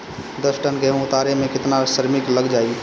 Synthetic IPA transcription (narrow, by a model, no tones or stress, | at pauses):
d̪əsʈənɡəɦũʊt̪aɾemẽkɪt̪nasəɾmɪkləɡd͡ʒaːi